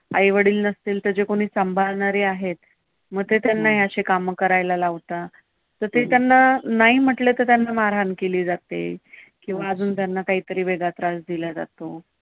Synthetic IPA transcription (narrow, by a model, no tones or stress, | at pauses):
a̰jʋəɽiːlnəst̪iːlt̪əɾd͡ʑekoɽ̃iːsəmbʱalɳaɾiːaɦet̪ | məɡ̚t̪et̪janːaɦiəɕekamkəɾajlalaʋt̪a | t̪əɾt̪et̪janːanaɦiːm̤əʈlet̪əɾt̪janːamaɾɦankeliːd͡zat̪ḛ | kĩw̃ʋaəd͡zuːnt̪janːakaɦiːt̪əɾiːʋeɡat̪ɾasd̪ilad͡za̰t̪o